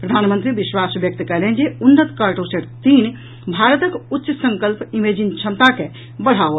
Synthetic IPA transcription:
pɾəd̪ʱaːnmənt̪ɾibiʃwasbjək̚t̪kəlend͡ʒeunːət̪kəɾʈoseʈt̪iːn | bʱaːɾət̪əkutːʃəsə̃ŋkəlpimed͡ʒint͡ʃʰə̃nt̪ake | bəɽ̤ao

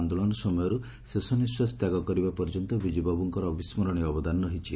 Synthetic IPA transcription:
nd̪oɔɭɔnɔsɔmɔjɔɾu | sesɔniswɔst̪jaɡɔkɔɾibapɔɾd͡ʒɔnt̪ɔbid͡ʒibabuŋkɔɾɔːbismɔɾɔɽ̃iɔbɔd̪anːɔɦit͡ʃʰi

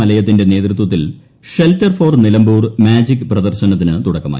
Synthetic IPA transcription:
ɐlɐjɐt̪̬ːinde̞ne̞ːt̪ɾut̪wɐt̪̬ːil | ʂeltːɐrfo̞ːrnilɐmbuːrmaːd͡ʑikːɨprɐd̪ɐrɕɐnɐt̪ːinɨt̪uɽɐkːɐma̰ː

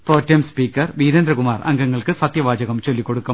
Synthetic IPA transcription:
proːtːɐmspiːkːɐrʋiːɾɐnd̪ɾɐkumaːrɐ̰ŋɡɐŋːɐɭkɨsɐt̪jɐʋaːd͡ʑɐɣɐmt͡ɕo̞lːikːoɽukːɐ

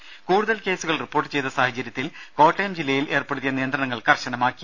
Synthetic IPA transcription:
kuːɽuðɐlke̞ːsuɣɐɭripːo̞ːrʈːɨt͡ɕe̞jt̪ːɐsaːhɐt͡ɕːɐɾjɐt̪ːilko̞ːʈːɐjɐmd͡ʑilːɐjile̞ːrpeɽut̪ːijɐnijɐnd̪rɐɳɐŋːɐɭkɐrɕɐɳɐmaːkːi

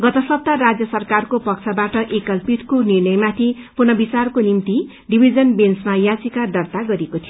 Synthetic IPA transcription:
ɡʌt̪ʌsʌb̚t̪aɾad͡zjʌsʌrkarkopʌk̚t͡sʰʌbaʈʌʔekʌlpit̪konirnʌjmat̪ʰipunʌbit͡sarkonimt̪i | ɖibʱid͡zʌnbensmajat͡sikad̪ʌrt̪aɡʌɾekot̪ʰijo

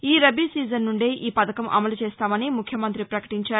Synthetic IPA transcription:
iːɾɐbiːsiːd͡ʒɐnːuɳɖeːʔiːpɐd̪ɐkɐmʔɐ̰mɐlut͡ʃeːst̪aːmɐnimukʰjɐmɐnt̪ɾipɾɐkɐ̥ʈiɲt͡ʃaːɾu

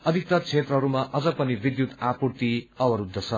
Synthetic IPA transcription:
ʌd̪ʱik̚t̪ʌt͡sʰet̪rʌɦʌɾumaʔʌd͡zʌpʌnibid̪jut̪apurt̪iʌbʌɾud̪ʱːʌt͡sʰʌ

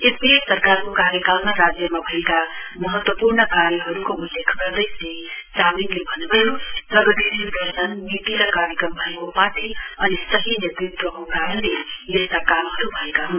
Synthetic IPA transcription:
esisʌrkarkokaɾjʌkalnaɾad͡zjʌmabʱʌekamʌɦʌt̪wʌpurnʌkaɾjʌɦʌɾukoulːjekʰɡʌɾd̪ʌjse | taminlebʱʌnubʱʌjozʌɡʌt̪ʰeɾibʌsʌnːit̪iɾʌkaɾjʌkɾʌmbʱʌekopat̪ʰiʌnisʌɦinirt̪ɾit̪wʌkokaɾʌlejest̪akamɦʌɾubʱʌekaɦu

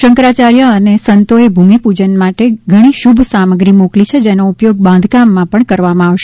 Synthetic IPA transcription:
ʃəŋkɾat͡ʃaɾjəənesənt̪oebʱumipud͡ʒənmaʈeɡʱəɽ̃iʃubʱsaməɡɾimoklit͡ʃʰed͡ʒenoupjoɡ̚bãnd̪ʱkamːãpəɳkəɾʋamãaʋʃe

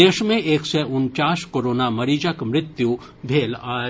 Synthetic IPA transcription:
eːʃmẽʔeːksɛʔʊnt͡ʃaːskoːɾoːnamɐɾiːd͡ʒakmɾɪt̪ju | bʱeːlaː

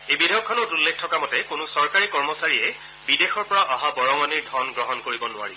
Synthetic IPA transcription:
ejbidʱejɔkʰːɔnɔtulːekʰtʰɔkamɔtɛkʊnʊsɔɹkaɹikɔɹmɔsaɹiɛ | bidexɔɹpɔɹaʔaɦabɔɹɔŋɔniɹdʱɔnɡɹɔɦɔnkoɹibɔnʊa̰ɹḭ

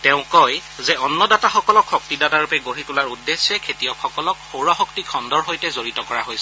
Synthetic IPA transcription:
tɛʊ̃kɔjzɛɔnːɔdataxɔkɔlɔkxɔktidataɹupɛɡoɦitulaɹudːesɛkʰetijɔkxɔkɔlɔkxowɹɔxɔktikʰɔndɔɹɦojtɛzoɹitɔkɔɹaɦojsɛ

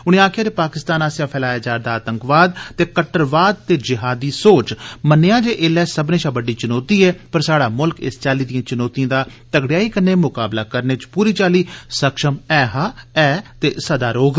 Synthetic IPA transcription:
ʊɽ̃ĩːaːkʰɪjaːd̪eːpaːkɪst̪aːnaːsjãːpʰɛːlaːjaːd͡ʒaːɾd̪aːt̪əŋkʋaːd̪t̪eːkəʈəɾʋaːd̪̚t̪eːd͡ʒɪɦaːd̪iːsoːt͡ʃmənɪjãːd͡ʒeːʔɪlɛːsəbnẽːʃãːbəɖiːt͡ʃɪnɔːt̪iːɛːpəɾsaːɽaːmʊlkɪ̰st͡ʃaːliːd̪ijãːt͡ʃʊnɔːt̪ijãːd̪aː | t̪əɡɽɪjaːiːkənːeːmʊkaːblaːkəɾneːt͡ʃpuːɾiːt͡ʃaːliːsəkʃəmɛːɦaːɛːt̪eːsəd̪aːɾoːɡ

